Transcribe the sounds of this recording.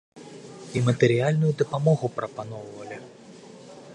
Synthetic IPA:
imɐt̪ɛɾijalʲnujud̪ɐpamɔɣupɾɐpanɔwvɐlʲi

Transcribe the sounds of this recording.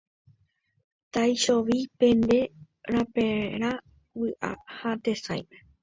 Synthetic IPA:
t̪ajʃoʋipẽ̞nd̪e̞ | ɾapeɾ̃a | wɨʔa̰hat̪e̞sa̰jmẽ

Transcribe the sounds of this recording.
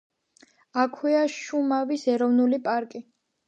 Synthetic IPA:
akʰwɛaʃumavisɛɾɔvnulipʼaɾkʼi

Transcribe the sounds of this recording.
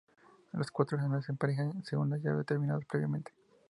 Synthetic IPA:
loskwat̪ɾohemasempaɾexaseɣunlaʝa̰βet̪eɾmĩnaðospɾe̞βjame̞nt̪e̥

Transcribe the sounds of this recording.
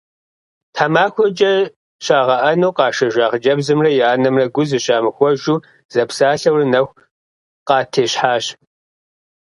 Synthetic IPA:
tʰaːmaːxʷɔd͡ʒʼɐ | ʃaːʁɐʔɐnoːqɑːʃɐʒʷaːʁd͡ʒɐbzɨmrɐjaːnɐmrɐɡʷʊzɨɕaːmɨxʷɔʒuː | z̥ɐpsaːɬɐwrɨnɐxʷ | qɑːtʰeːɕħaːɕ

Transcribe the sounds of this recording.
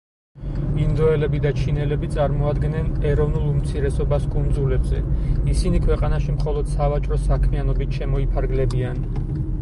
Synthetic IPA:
binzɔɛlɛbid̪at͡ʃʰinɛlɛbit̪sʼaɾmɔad̪ɡɛnɛnɛɾɔvnulˠumt̪sʰiɾɛsɔbaskʼund̪zulɛbzɛ̰isinikʰwɛqʼanaʃimχɔlˠɔd̪̥savat͡ʃʼɾɔsakʰmianɔbit̪ʰʃɛmɔipʰaɾɡlɛbian

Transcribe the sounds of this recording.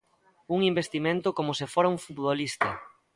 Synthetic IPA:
uŋimbest̪imẽnt̪ʊkomʊsɪfoɾɐuŋfut̪βolist̪ɐ

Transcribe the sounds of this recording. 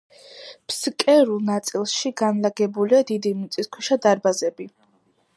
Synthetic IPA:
pʰskʼɛɾulˠnat̪sʼilˠʃiɡanlaɡɛbuliad̪id̪imit̪sʼiskʰwiʃad̪aɾbazɛbi

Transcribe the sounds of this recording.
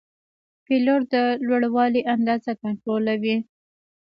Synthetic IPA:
piloɾd̪əlwaɽwɑliʔand̪ɑzakaɳʈɾolawi

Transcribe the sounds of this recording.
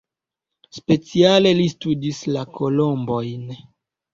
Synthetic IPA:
spe̞t͡siale̞listudislakolombo̞jn

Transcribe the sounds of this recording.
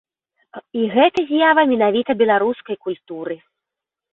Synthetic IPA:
iɣɛt̪ɐzʲjavɐmʲɛnavʲit̪ɐbʲɛlˠaɾuskɐjkulʲt̪uɾɨ

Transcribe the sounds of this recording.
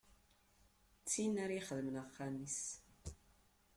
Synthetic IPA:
t͡sːinaɾiχəðəmənaχːamis

